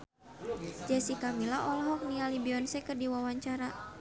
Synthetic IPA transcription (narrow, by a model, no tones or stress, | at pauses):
d͡ʒasikamilaʔɔlɔɦɔk̚niŋalibiɔnsɛkɨrdiwawaɲt͡ʃaɾa